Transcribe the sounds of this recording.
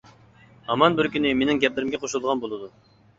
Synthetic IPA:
ɑmɑnbɪɾkʲynɪmenɪŋɡʲɛplɪɾɪmɡʲɛqʰoʃulˠʁɑnbolˠɨd̪u

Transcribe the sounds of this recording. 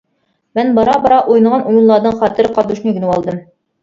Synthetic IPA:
mɘnbɒɾɑbɒɾɑʔujnɤ̆ʁɑnʔujŭnlːˠɑɾd̪ɤɴχɒt̪ɘɾqɑd̪uʃnɘɡɘ̆nɘwɒlˠd̪ɤm

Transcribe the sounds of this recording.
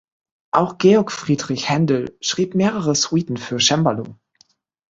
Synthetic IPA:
ʔaʊxɡ̥eɔɐkfʁ̥iːdʁɪçhɛndl̩ʃʁ̥iːpmeːʁəʁəsw̥iːtn̩fyːɐʃɛmbɐlṵː

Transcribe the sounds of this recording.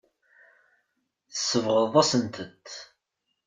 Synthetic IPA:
θəsːəvʁəðˤæsənt̪ət̪

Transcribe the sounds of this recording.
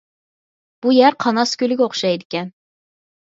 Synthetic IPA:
b̥ujæɾqʰɑnɑskʲølɪɡʲɛoχʃɑjd̪ɪkʲɛn

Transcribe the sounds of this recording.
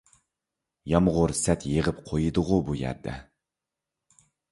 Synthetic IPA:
jɑmʁʊɾsɛt̪jeʁəpqʰojɨd̪ʊʁʊbujæ̰ɾd̪ɛ̰

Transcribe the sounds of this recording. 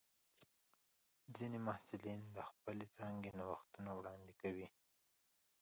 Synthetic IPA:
zinemɑhsɪlind̪əxpəlet͡sɑŋɡenawaxt̪unawɽɑnd̪ɪkawi

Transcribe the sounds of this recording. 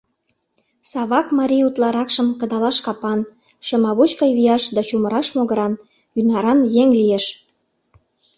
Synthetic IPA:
sɑβɑkmɑɾʲiut̪lɑɾɑkʃə̆mkə̆d̪ɑlɑʃkɑpɑn | ʃemɑβut͡ɕkɑjβijɑʃd̪ɑt͡ɕuməɾɑʃmoɣəɾɑn | ynɑɾɑnjeŋlijeʃ

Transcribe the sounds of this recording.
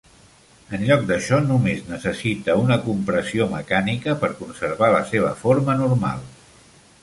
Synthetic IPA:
ənʎɔk̚d̪əʃɔnumeznəsəsit̪əunəkumpɾəsioməkanikəpəɾkunsəɾβalə̰seβ̞ə̰foɾmənurma̰lˠ

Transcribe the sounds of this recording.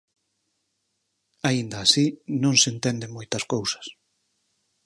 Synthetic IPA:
aind̪ɐːsinõŋsent̪ɛnd̪emojt̪ɐskowsɐ̥s

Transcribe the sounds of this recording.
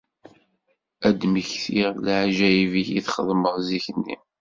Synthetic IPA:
æd̪məçθiʁlʕʒæjiviçiθχəðˤməʁziçənːḭm

